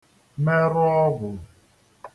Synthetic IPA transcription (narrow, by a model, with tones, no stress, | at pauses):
me˦ɾʊ˦ɔ˦ɣʊ˨